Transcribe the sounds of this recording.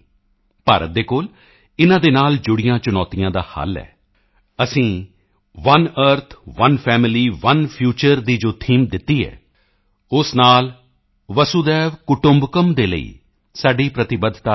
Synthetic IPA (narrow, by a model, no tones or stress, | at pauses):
pa̰ːɾə̰t̪̚d̪eːkoːl | ɪnãːd̪eːnaːld͡ʒʊɽɪjãːt͡ʃʊnɔːt̪ijãːd̪a̰ːha̰lɛ̰ː | əsĩː | ʋənəɾt̪ʰʋənpʰɛːmɪliːʋənpʰjuːt͡ʃəɾd̪iːd͡ʒoːt̪ʰiːmd̪ɪt̪ːiːɛ̰ː | ʊsnaːl | ʋəsuːd̪ɛːʋkʊʈʊmbkəmd̪eːlə̰ḭː | saːɖiːpɾət̪ɪbəd̪ʱt̪a